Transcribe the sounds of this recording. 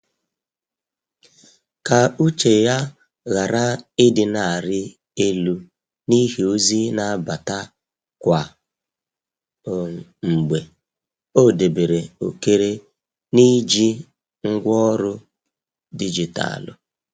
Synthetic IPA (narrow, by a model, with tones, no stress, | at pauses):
ka˨u˦t͡ʃe˨ja˦ | ɣa˨ɾa˦ɪ˦dɪ˨na˨ɾɪ˦ | e˦lu˦ | ni˦ɦi˨o˦zi˦na˦ba˨ta˦ | kʷa˨ | ŋ͡m̩˨ɡ͡be˨ | o˦˨de˨be˨ɾe˨o˨ke˦ɾe˦ | ni˦d͡ʒi˦ | ŋ̩˦ɡʷɔ˦ɾʊ˦ | di˦d͡ʒi˨ta̰˨lʊ̰˨